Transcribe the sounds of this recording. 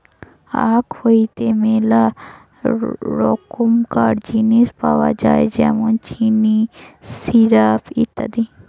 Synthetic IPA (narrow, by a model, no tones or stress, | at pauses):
a̰ːkhoit̪emela | ɾoːkumkaːɖd͡ʒiːnispa̰ʋa̰d͡ʒa̰ːḛd͡ʒɛ̰mont͡ʃinisiɾaːpḭt̪ɐ̰d̪i